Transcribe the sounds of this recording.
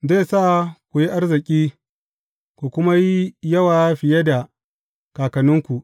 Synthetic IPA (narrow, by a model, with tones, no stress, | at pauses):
ze˦˨saː˦˨kʷu˨ji˦ʔa˦rzɪ˨kʲʼiː˦ | kʷu˨kʷʊ˦ma˦ji˦jɐ˦waː˨˦ɸɪ˨je˦da˨ | kaː˨kɐ˨nʊ˦ŋkʷu˨ʔ